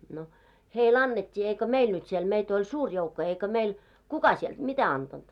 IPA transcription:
no heil ɑnːetʲːiː eikø meil nyt siel meit olʲ suːr joukːo eikø meil kukɑ sield̥ mitæ ɑntɑnd̥

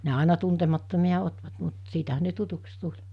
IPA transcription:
ne ɑˑenɑ tuntemɑtːomiɑ otʋɑt mut siːtæɦæn̆ ne tutuks tulʲ

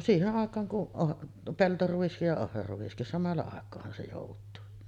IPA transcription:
siːheʔ ʔɑˑekˑɑːŋ kuʔ ʔoʔ peltoruis jɑ ohrɑruʋ̆iskis sɑmɑlːɑ ɑˑekˑoːhɑn se joˑutˑuː

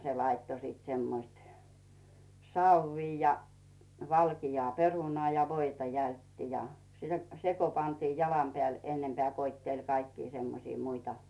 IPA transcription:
se lɑitːo siːt semːoĭst sɑuw̆iː jɑ ʋɑlkijoɑˑ perunŏɑˑ jɑ ʋoitɑ jæltːi jɑ se ko pɑntiː jɑlɑm peæˑl enːempĕæˑ koitːelʲ kɑikːiː semːosiː muitɑ

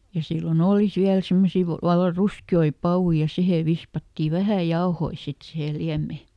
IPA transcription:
jɑ silːon oːli siæl simːosi ʋɑ ʋɑlːɑ ruskioi pɑwui jɑ siheˑ ʋispɑtːi ʋæhæˑ jɑohoi sit sihe liæmːe

